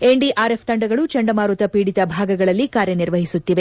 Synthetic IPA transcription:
eɳɖiʔʔaːɾe̞pʰt̪ɐɳɖɐɡɐɭut͡ʃɐɳɖɐmaːɾut̪ɐpiːɽit̪ɐbʱaːɡɐɡɐɭɐlːikaːɾjɐniɾʋɐɦisut̪ːiʋe̞

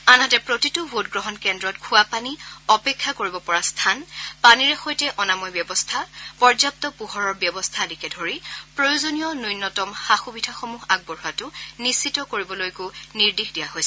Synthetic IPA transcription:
anɦatɛpɹotitʊbotɡɹɔɦɔnkɛndɹɔtkʰuapaniɔpekʰːakoɹibɔpɔɹastʰanpaniɹɛxojtɛʔɔnamɔjbjɔbɔstʰapɔɹzap̚tɔpuɦɔɹɔɹbjɔbɔstʰadikɛdʱoɹipɹojʊzonijɔnujnːɔtɔmxaxubidʱaxomuɦaɡ̚bɔɹuatʊnisitɔkoɹibɔlojkʊniɹdixʰdijaɦojsɛ

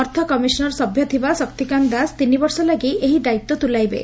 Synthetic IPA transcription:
ɔɾt̪ʰɔkɔmisɔnɔɾsɔbʱjɔt̪ʰibasɔkt̪ikand̪ast̪inibɔɾsɔlaɡieɦid̪ait̪ːɔt̪ulajbḛ

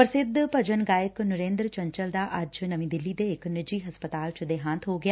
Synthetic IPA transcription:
pɾəsɪd̪ʱːpəd͡ʒənɡaːjəknʊɾẽːnd̪ɾt͡ʃə̃ɲt͡ʃəld̪aːʔɐd͡ʒnəʋĩːd̪ɪlːid̪eɪknɪd͡ʒiːɦəspət̪aːlt͡ʃd̪eːɦãːnt̪ʰɦoːɡɪaː

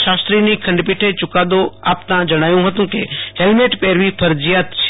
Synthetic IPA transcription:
ʃaːst̪ɾinikʰɐ̃ɳɖpɪʈʰet͡ʃʊkaːd̪oa̰ːpt̪ãd͡ʒɐɽ̃aːjũɦɐt̪ũkḛhelmeʈpeːɾʋipʰəɾd͡ʒijaːt̪t͡ʃʰ

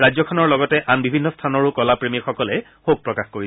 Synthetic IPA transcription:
ɹazɔkʰɔnɔɹlɔɡɔtɛʔanbibʱinːɔstʰanɔɹukɔlapɹemixɔkɔlɛ | xoɡ̚pɹɔkaxkoɹi

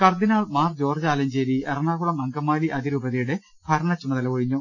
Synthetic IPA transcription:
kɐrd̪inaːɭmaːrd͡ʑoːrt͡ɕaːlɐɲd͡ʑeɾierɐɳaːɣuɽɐmɐŋɡɐmːaːliʔɐðiɾuːbɐðijuɽe | b̥ʱɐɾɐɳɐt͡ɕːuɳɐt̪ɐlɐʋoɻiɲːu

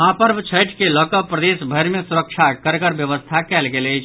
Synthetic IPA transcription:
ɦãːpəɾbt͡ʃʰɐjʈʰkelɔːkəpːɾɐd̪eːʃbʱəɾmẽsʊɾəkʃʰakɐɾkəɾʋjəʋəst̪ʰakɛːlkeleː

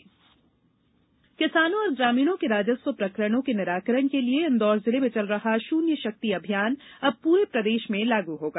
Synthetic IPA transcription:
kɪsaːnõɔːɾɡɾaːmiːɽõkeɾaːd͡ʒəswəpɾɐkɾəɽ̃õkenɪɾaːkəɾəɳkelieɪ̃nd̪ɔːɾzɪlemẽt͡ʃɐlɾɐɦaʃuːnjəʃɐk̚t̪iɐbʱijaːnɐb̚puːɾepɾɐd̪eːʃmẽlaːɡuɦoːɡaː

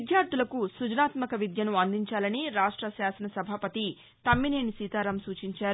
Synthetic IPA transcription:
d̪jaːɾt̪ulɐkusud͡ʒɐnaːt̪mɐkɐʋid̪jɐnuɐnd̪iɲt͡ʃaːlɐniɾaːʂʈɾɐʃjaːsɐnɐsɐbʱaːpɐt̪i | t̪ɐmːineːnisiːt̪aːɾɐmsuːt͡ʃiɲt͡ʃaːɾu

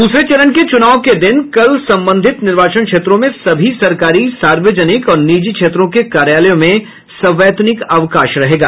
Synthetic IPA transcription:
d̪uːsɾet͡ʃɐɾənket͡ʃʊnaːʋoked̪ɪnkɐlsɐ̃mbə̃nd̪ʱɪt̪nɪɾʋaːt͡ʃənkʃeːt̪ɾõmẽsɐbʱisɐɾkaːɾisaːɾʋəd͡ʒənɪkɔːɾniːd͡ʒikʃʰeːt̪ɾõkekaːɾjaːləjõmẽ | sɐ̃ʋɛːt̪nɪkaʋkaːʃɾɐɦeːɡa̰ː

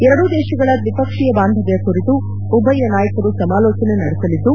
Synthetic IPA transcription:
ɛɾɐɽud̪eːʃɐɡɐɭɐʋipɐkʂijɐbaːnd̪ʱɐd̪ɐjɐkuɾit̪u | ubʱɐjɐnaːjɐkɐɾusɐmaːlɔːt͡ʃɐnenɐɽɛsɐlid̪ːu

